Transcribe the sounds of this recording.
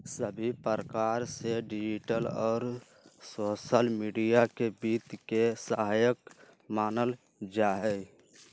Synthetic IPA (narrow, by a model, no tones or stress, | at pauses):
səbʱipəɾəkaɾseɖid͡ʒiʈəlɔːɾ | sosəlmiɖijakebiːt̪kesəɦajək̚ | maːnəl | d͡ʒaɦɛ